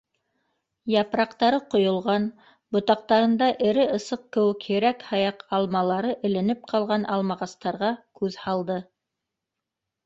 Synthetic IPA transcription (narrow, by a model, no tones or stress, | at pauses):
jɑpɾɑqt̪ɑɾɤqŏjŏlˠʁɑn | bŏt̪ɑq̚t̪ɑɾɤ̆nd̪ɑʔɘ̆ɾɘɤ̆sɤq̚kɘ̆wɘkhɘ̆ɾækhɑjɑqɑlˠmɑlˠɑɾɤʔɘ̆lɘ̆nɘp̚qʰɑlˠʁɑnʔɑlˠmɑʁɑst̪ɑɾʁɑkʉðhɑlˠd̪ɤ